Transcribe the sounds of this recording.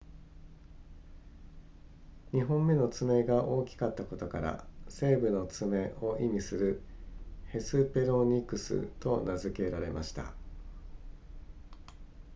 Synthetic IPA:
ɲ̟iɦõ̞mːe̞no̞t͡sɨme̞ɡaʔo̞ːkʲi̥kat̪ːako̞t̪o̞ka̰ɾa̰se̞ːbɯ̟no̞t͡sɨme̞ʔo̞ʔimʲisɨɾɯ̟ | he̞sɨpe̞ɾo̞ɲ̟ikɯ̟sɨ̰t̪o̞nazɨke̞ɾaɾe̞̰mʔa̰ɕi̥t̪a̰

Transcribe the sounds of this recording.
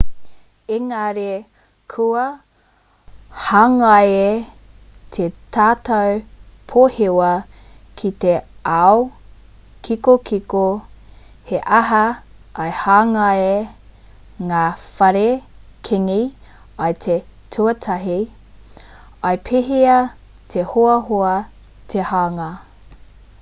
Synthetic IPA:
eŋaɾe | kʰuɐ | haːŋɐje | t̪ʰet̪ʰaːt̪ɐwpʰohewɐ | kʰit̪eao | kʰikokiko | heʔɐɦɐ | ʔɐjhaːŋɐe | ŋaːfɐɾekʰeŋi | ɐjt̪ʰetʰuɐtʰɐɦi | ɐjpʰeɦiɐ | t̪ʰehoɐɦoɐ | t̪ʰehaŋɐ

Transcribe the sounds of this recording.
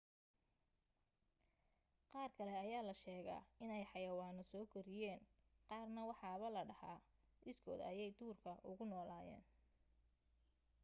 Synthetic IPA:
qɑːrkʰɐlɛɐjaːlɐʃɛːɣɐ̰ɪnɛjħɑjɐwɑːnɔsɔːkʰɐɾɪjɛːnqɑːrnɐwɑħɑːβɐlɐɖɐhaːʔɪskʰɔ̰ːd̪ɐ̰jɛjt̪ʰuːrkʰɐʔʊɣʊnɔːlaːjɛ̰ːn

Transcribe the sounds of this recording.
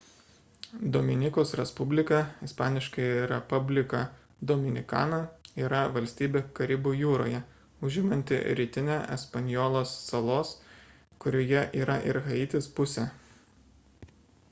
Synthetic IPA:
d̪oːmʲɪnʲɪkoːsɾʲɛspʊbʲlʲɪkɑɪspɑːnʲɪʃkɐɪɾʲɛpʊbʲlʲɪkɑ | d̪oːmʲɪnʲɪkɑ̰ːnɐiːɾɐʋɐlʲsʲt̪ʲiːbʲekɐɾʲɪbuːjuːɾo̰ːjɛ | ʊʒʲɪmɐnʲt̪ʲɪ̰ɾʲiːt̪ʲɪnʲɛʔɛspɐnʲjɔːlˠoːsːɐlˠoːs | kʊɾʲoːjɛʔiːɾɐʔɪɾɣɐɪt̪ʲɪspʊsʲɛː

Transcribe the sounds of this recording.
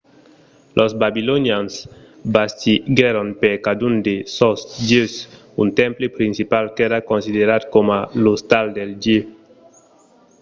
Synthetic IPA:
lʔɔzbabilonjans | bast̪iɡɛɾonpeɾkad̪und̪esɔsd͡ʒes | unt̪ɛ̃mplepɾinsipalkɛɾakonsideɾad̪komalost̪ald̪elde

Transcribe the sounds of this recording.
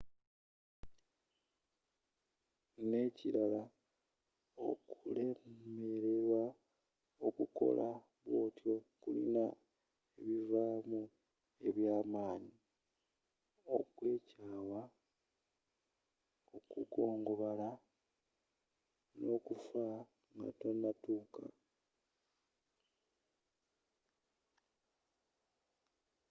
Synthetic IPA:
ne̞ciɾala | okule̞e̞ɾe̞ɾwa | o̞kuko̞̰lʔa | βwo̞ːtjo̞kulḭna | eβivamu | e̞βjaːmaːɲi | o̞kwe̞ːcaːwa | o̞kuko̞ːŋɡo̞βala | no̞kufa | ŋɡa̰tonatuːka̰

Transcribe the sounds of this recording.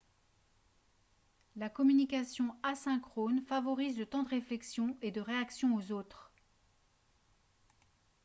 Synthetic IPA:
lakɔmynikʲasjɔ̃asɛ̃kχonfavɔʁizd̪ət̪ɑ̃d̪əʁeflɛksjɔ̃ed̪əʁeaksjɔ̃ozot̪χ

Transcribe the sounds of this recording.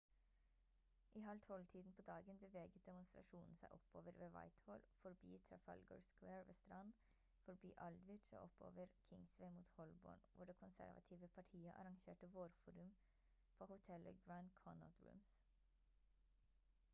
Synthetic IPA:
ʔiːɦɑlt̪ʰɔlt̪ʰiːd̪n̩pʰoːd̪ɑːɡənbəʋeːɡət̪̚d̪ɛmʊnst̪ɾɑ̰ʃuːnn̩sæɪʔɔpːoːʋəɾʋeːʋɑ̰ɪt̪hoːlfɔɾbḭːt̪ʰɾɑfɑ̰lɡo̰ːɹskweːɹʋḛːst̪ɾɑn | fɔɾbiːʔɑld̪ʋɪt͡ʃo̰ːʔɔpo̰ːʋəɾkʰɪŋsʋeɪmuːt̪hɔlbo̰ːɳʋʊɖeːkʰʊnsæ̰ɾʋɑ̰t̪ʰiːʋəpʰɑʈʰiːəʔɑ̰ɾɑŋʃḛːʈəʋoːɾfuːɾʉm | pʰoːhʊt̪ʰɛlʔə̰ɡɹɑnkʰɔna̰ʊt̪ɹʉ̰ːms

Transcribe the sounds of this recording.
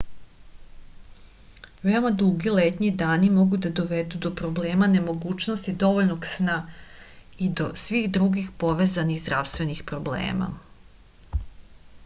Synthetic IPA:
ʋe̞o̞mad̪uɡilet̪ɲid̪aːnimo̞ɡud̪ad̪o̞ʋe̞d̪ud̪o̞pɾo̞bleːmane̞mo̞ɡuːt͡ʃnost̪id̪o̞ʋoʎnoɡsna | id̪o̞sʋiːxd̪ɾuɡixpo̞ʋezaniɣzd̪ɾaʋst̪ʋe̞nixpɾo̞blḛːma̰

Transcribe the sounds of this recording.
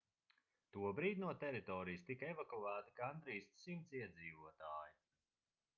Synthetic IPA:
t̪uɔbɾiːd̪ʲnuɔt̪ɛɾit̪ɔːɾijst̪ikaɛvakuæːt̪ikand̪ɾiːssimt̪siɛd̪ziːvuɔt̪aːji

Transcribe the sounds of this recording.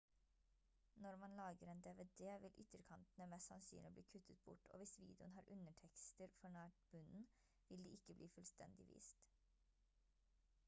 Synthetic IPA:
nɔɾmɑnlɑːɡəɾeːnd̪eːʋed̪eːʋɪlʔʏ̰t̪əɾkʰɑnt̪n̩əmɛsɑnsy̰nɪbliːkʰʉt̪ʰət̪̚bʊ̰ʈʰo̰ːʋɪsʋḭːd̪ɛʊ̰nhɑːɾʔʉnəʈʰɛkst̪əɾfɔɳæːʈ̚bʉnn̩ | ʋɪld̪iːʔɪkːəblʔiːfʉlst̪ʰɛ̰nd̪ɪʋḭːst̪

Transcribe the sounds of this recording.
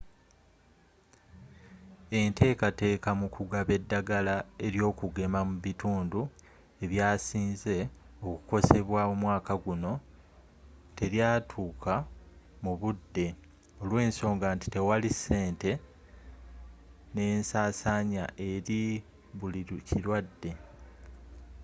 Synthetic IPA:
e̞ntʰe̞ːkate̞ːkamukuɡaβe̞dːaɡalae̞ɾjo̞ːkuɡe̞mamuβituːndu | e̞βjaːsiːnze̞ | o̞ku̥ko̞se̞βwamumwaːkaɡuno̞ | te̞ɾjaːtʰuːkʰa | muβudːe̞ | o̞lwe̞ːnso̞ːŋɡanti̥te̞walisːe̞ːnte̞ | ne̞ːnsaːsaːɲa̰ʔe̞ɾi | βulicilwadːe̞

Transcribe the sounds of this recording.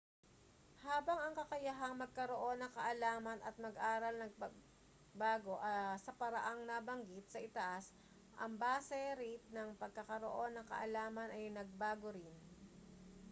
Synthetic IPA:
haːbɐŋɐŋkɐkɐjɐɦɐŋmɐɡ̚kɐɾoʔo̞nːɐŋkɐʔɐlaːmɐnɐt̪̚mɐɡʔaːɾɐlnɐɡpɐɡ | baːɡo̞ʔsɐpɐɾɐʔaŋnɐbɐŋɡɪt̪̚sɐʔɪt̪ɐʔas | ʔɐŋbaːsɛɾit̪̚nɐŋpɐɡ̚kɐkɐɾoʔo̞nːɐŋkɐ̰ʔɐlaːmɐnʔɐjnɐɡ̚baːɡoɾɪn

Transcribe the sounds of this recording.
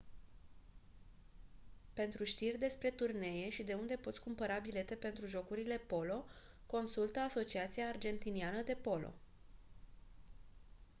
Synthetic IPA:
pe̞nt̪ɾuʃt̪irʲd̪e̞spɾe̞t̪urne̞je̞ʃid̪e̞und̪e̞po̞t̪sʲkumpəɾabile̞t̪e̞pe̞nt̪ɾuʒo̞kuɾile̞po̞lo̞ | ko̞nsult̪əaso̞t͡ʃiat̪siaːrd͡ʒe̞nt̪inianəd̪e̞po̞lo̞̰

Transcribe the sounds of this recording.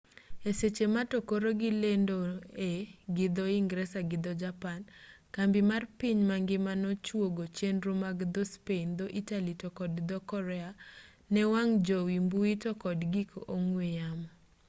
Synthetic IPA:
eset͡ʃematokoɾoɡɪlendoeɡɪd̪ɔiŋɡɾɛsaɡɪd̪ɔd͡ʒapankambɪmarpiɲmaŋɡɪmanɔt͡ʃwoɡot͡ʃenɾumaɡd̪ɔspeind̪oʔitalitɔkɔdd̪ɔkɔɾɛa | nɛwaŋd͡ʒɔwimbuitɔkɔdɡikoʔoŋwejamɔ

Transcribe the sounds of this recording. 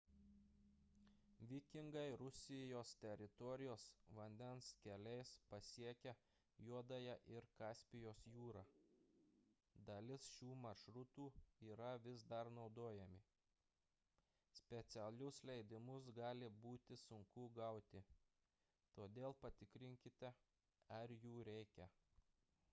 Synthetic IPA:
ʋʲɪkʲɪŋɡɐɪɾʊsʲɪjoːst̪ʲɛɾʲɪt̪ɔɾʲɪjoːsʋɐnʲd̪ʲɛnskʲɛlʲɛɪspɐsʲiɛkʲɛ | juɔd̪ɐjɛʔɪɾkɑːsʲpʲɪjoːsjuːɾɑː | d̪ɐlʲɪsʃʲuːmɐɾʃɾʊt̪uːiːɾɐʋʲɪsd̪ɐɾnɒʊd̪oːjɛmʲɪ | sʲpʲɛt̪sʲɛlʲʊslʲɛɪd̪ʲɪmʊs̬ɡɑːlʲɪbuːt̪ʲɪsʊŋkʊɡɐʊt̪ʲɪ | t̪oːd̪ʲeːlˠpɐt̪ʲɪkɾʲɪŋʲkʲɪt̪ʲɛ | ɐɾjuːɾʲɛɪkʲɛ

